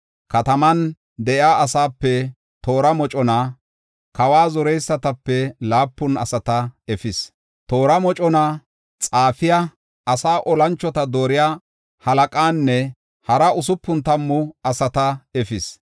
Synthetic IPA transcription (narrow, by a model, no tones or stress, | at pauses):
kɐt̪ɐmɐn | d̪ɛʔjaːɐsaːpːɛ | t̪o̞ːɾɐmɔt͡ʃʼɔna | kɐwaːzɔɾɛjsːɐt̪ɐpːɛlaːpːʊnɐ̰sɐt̪ɐɛfɪs | t̪oːɾɐmɔt͡ʃʼɔna | t͡sʼaːfɪja | ɐsaːʔɔlɐnt͡ʃːɔt̪ɐd̪o̞ːɾɪjaː | hɐlɐkʼaːnːɛ | hɐɾɐʊsʊpːʊnt̪ɐmːʊɐsɐt̪ɐɛfɪs